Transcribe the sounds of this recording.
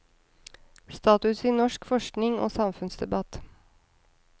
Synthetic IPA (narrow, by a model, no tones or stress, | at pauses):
st̪ɑːt̪ʉsiːnɔʃkfɔʂknɪŋo̰ːsɑmfʉnsd̪ɛbɑt̪